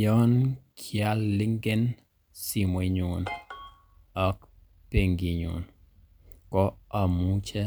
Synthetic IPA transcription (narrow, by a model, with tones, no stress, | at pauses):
jɔ˦nkʰja˨˦lːɪ˦ŋɡe˦n | si˨mwe˨˦ɲu˨n | ɔ˦k | pe˨ŋɡi˨ɲṵ˨n | kɔ˦a˨mu˦t͡ʃɛ˦